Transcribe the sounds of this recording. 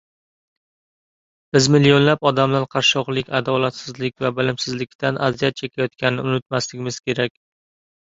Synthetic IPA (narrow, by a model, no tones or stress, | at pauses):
b̥ɪzmɪlijonlapɒd̪amlaɾqʰɑɾʃɒqlˠɪkʲad̪ɒlat̪sɪzlɪk̚ʲvabɪlɪmsɪzlɪkʲt̪anʔazijat̪̚t͡ʃʰekʲʰajɒt̪̚kʲanɪnɪʊnɪt̪̚maslɪɡʲɪmɪz̥kʲe̞ɾakʲ